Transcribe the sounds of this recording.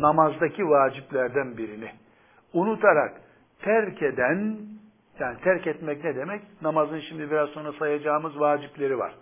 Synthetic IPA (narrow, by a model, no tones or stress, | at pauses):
namazd̪acʰivaːd͡ʒiplʲæɾd̪ænbiɾini | unut̪ʰaɾak | t̪ʰæɾcʰed̪æn | jaːnit̪ʰæɾcɛt̪mɛcnɛd̪e̞mɛcnamazɯnʃimd̪ibiɾazso̞nɾasajad͡ʒaːmɯzvaːd͡ʒiplʲe̞ɾiva̰ɾ̥